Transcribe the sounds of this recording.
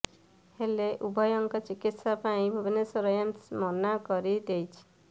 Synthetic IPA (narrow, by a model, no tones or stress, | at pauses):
heleʔubʱɔjɔŋkɔt͡ʃikit̪sɔpaĩbʱɔbinesɔɾɔjɔnmɔnakɔɾid̪ejt͡ʃʰi̥